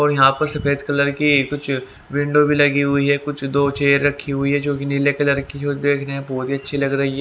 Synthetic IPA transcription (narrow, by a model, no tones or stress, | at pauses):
ɔːɾjɐɦãpɐɾsɐfeːd̪kɐləɾkikʊt͡ʃʰ | ʋɪ̃ɳɖobʱilɐɡiɦʊiɦɛːkʊt͡ʃʰd̪oːt͡ʃeːəɾːɐkʰːiɦʊiɦɛd͡ʒõːk̬inɪlekɐləɾkiod̪eːkʰneɦɛ̃bɔːt̪ɦiɐtːʃʰilɐɡɾɐɦiɦɛ